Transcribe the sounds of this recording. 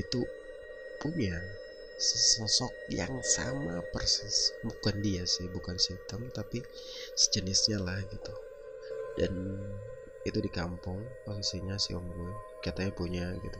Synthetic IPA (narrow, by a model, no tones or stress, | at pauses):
it̪u | puɲa | səsɔsɔk̚ja̰ŋsa̰mapərsisbukandiasɪhbukansit̪əmt̪api | sə̥d͡ʒənɪsɲalahɡit̪u | dan | it̪udikampʊŋpos̬isiɲasḭʔɔŋɡu | kat̪aɲapuɲaɡit̪u